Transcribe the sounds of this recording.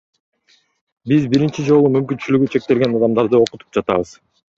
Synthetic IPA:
bizbiɾint͡ʃid͡ʒo̞lˠumymkynt͡ʃylyɡyt͡ʃʰe̞k̚t̪e̞lɡe̞nɑd̪ɑmd̪ɑɾd̪ɯo̞qu̥t̪u̥p̚d͡ʒɑt̪ɑ̰βɯz̥

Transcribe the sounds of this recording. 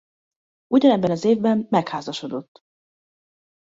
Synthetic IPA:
uɟɒnɛbːɛnɒzeːvbɛmːɛkhaːzɒʃo̞d̪o̞t̪ː

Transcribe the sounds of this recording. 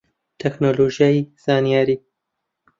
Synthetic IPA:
t̪ʰɛknoːloʒijaːjiz̥aːnijaːɾiː

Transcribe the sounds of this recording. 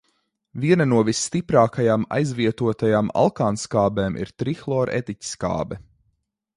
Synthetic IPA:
viɛnɐnuɔvisːt̪ipɾaːkajaːma̰jzviɛt̪uɔt̪ajaːma̰lˠkaːnskaːbɛːmʔḭɾt̪ɾixlˠɔɾʔɛ̰t̪icʲi̥ska̰ːbɛ

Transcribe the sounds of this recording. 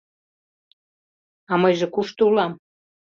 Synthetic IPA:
ɑmɤjʒĕkuʃt̪ulɑm

